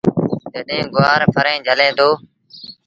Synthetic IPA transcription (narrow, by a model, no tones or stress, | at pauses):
d͡ʒəɗẽːɡʊaːɾpʰəɾẽːd͡ʒʱəlẽːd̪oː